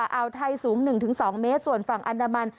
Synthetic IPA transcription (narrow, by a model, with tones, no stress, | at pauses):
a˧ʔa˧wt̪ʰa˧jsuː˩˦ŋnɯ˨˩ŋt̪ʰɯ˩˦ŋsɔː˩˦ŋmeː˦˥t̪̚su˨˩ənfa˨˩ŋʔa˧ndaː˧ma˧n